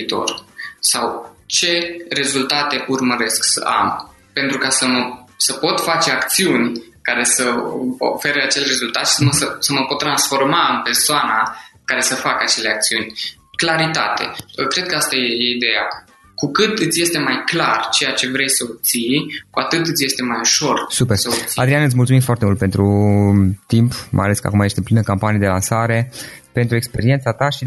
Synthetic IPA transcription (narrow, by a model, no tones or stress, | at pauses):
it̪o̞̰rsawt͡ʃe̞re̞zult̪at̪e̞ʔurməɾe̞sksə̰ʔa̰m | pe̞nt̪ɾukasəməsəpo̞t̪fat͡ʃeakt̪siunʲkaɾe̞səo̰fe̞ɾəat͡ʃe̞lʲre̞zult̪at̪ʃi̥səməsəsəməpo̞t̪̚ːɾansfo̞rmaɨnpe̞rsoanakaɾe̞səfakəat͡ʃe̞le̞ak̚t̪siunʲ | klaɾit̪a̰t̪e̞̰kɾe̞d̪̚kəast̪ajejeid̪e̞ja̰ | kukɨt̪ɨt̪sje̞st̪e̞majklart͡ʃe̞jat͡ʃe̞vɾe̞jsəop̚t̪sijkuat̪ɨt̪ɨt̪sʲje̞st̪e̞majuʃo̞rsupersoiad̪ɾianɨt̪̬ʲmult̪sumimfoart̪emult̪pe̞nt̪ɾu | t̪impmʔa̰jale̞skəa̰kumajest̪eplinəkampanijed̪e̞lansaɾe̞pe̞nt̪ɾue̞kspe̞ɾient̪sat̪aʃi